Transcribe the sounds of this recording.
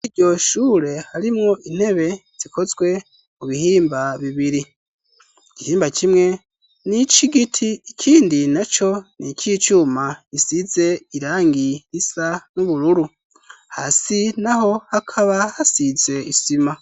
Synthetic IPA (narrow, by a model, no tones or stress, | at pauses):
iɟo̞ʃuːɾe̞haɾimŋo̞ʔin̥he̞βe̞z̥ikʰo̞zɡwe̞ | muβihiːmbaβiβiɾi | ɟihiːmbacʰimŋe̞ | nit͡ʃiɡitʰiːkʰiːndinat͡ʃo̞nicʰit͡ʃumaisize̞iɾaːŋɡihisanuβuɾuɾu | ha̰sinaɦo̞hakʰaβahasize̞isima